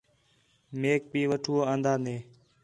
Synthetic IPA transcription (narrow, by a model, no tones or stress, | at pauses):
meːk̚biːʋəʈʰuːoːãːnd̪aːneː